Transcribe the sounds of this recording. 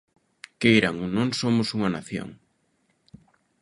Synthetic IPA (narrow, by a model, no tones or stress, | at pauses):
kejɾaŋonõŋsomʊsuŋɐna̰θjo̰ŋ